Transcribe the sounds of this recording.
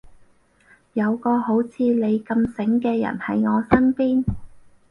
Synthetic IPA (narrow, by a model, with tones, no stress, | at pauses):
jɐ˨˧wkɔː˧ɦo˨˥wt͡sʰiː˨˧le˨˧jkɐ˧msɪ˨˥ŋkɛː˧jɐ̰˨˩nhɐ˨˥jŋɔː˨˧sɐ˥npiː˥n